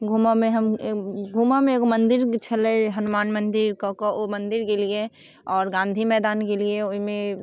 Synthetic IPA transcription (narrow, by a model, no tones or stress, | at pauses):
ɡʱuːmamẽɦɐmɡʱumamẽkomɐ̃nd̪ɪɾt͡ʃʰɐleɦɐnʊmaːnmə̃nd̪ɪɾkakoʔomɐ̃nd̪ɪɾkelie | ɔːɾɡãːnd̪ʱimɛːd̪aːnkelieoimẽ